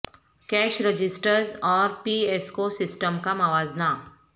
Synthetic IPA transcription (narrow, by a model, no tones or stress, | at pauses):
kɛːʃɾəd͡ʒɪsʈəɾzɔːɾpiːeskosɪsʈəmkamɐʋaːzna